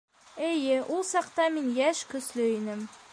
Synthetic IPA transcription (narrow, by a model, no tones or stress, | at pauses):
ejɪʔʊlˠsɑqt̪ɑmɪnjæʃkʰɵsløjnɪm